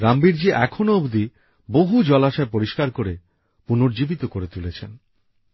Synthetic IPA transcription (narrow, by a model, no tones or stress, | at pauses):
ɾambiɾd͡ʑiʔɛkʰonoobd̪i | boɦud͡ʑɔlaʃaepoɾiʃkaɾkoɾe | punoɾd͡ʑibit̪okoɾet̪ulet͡ɕʰen